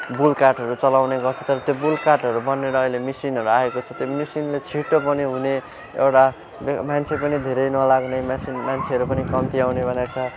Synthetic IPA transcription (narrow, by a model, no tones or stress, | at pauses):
bulkarʈʌɾut͡sʌlawneɡʌrt͡sʰʌt̪ʌɾʌt̪jobulkaʈɦʌɾubʌnːeɾʌːilemisinɦʌɾuaekot͡sʰʌt̪jomisinlet͡sʰiʈːopʌniɦune | ḛwʈa | bmant͡sʰepʌnid̪ʱeɾʌjnʌlaɡnʌmasinmant͡sʰeɦʌɾupʌnikʌmt̪iawnebʱʌnet͡sʰʌ